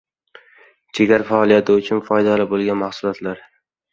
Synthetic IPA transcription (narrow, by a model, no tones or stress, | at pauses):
t͡ʃʰeɡʲaɾafaɒːlˠijat̪ʰɪʊt͡ʃʰʊnfɒjd̪alɪbolˠɡʲanmaχsʊlˠɒt̪laɾ